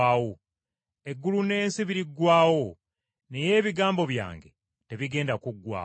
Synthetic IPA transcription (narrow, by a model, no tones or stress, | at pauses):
aːwo | e̞ɡːulune̞ːnsiβiɾiɡwaːwo | neje̞ːβiɡaːmbo̞βja̰ːŋɡe̞ | te̞βiɡe̞ːndakuɡːwa̰ː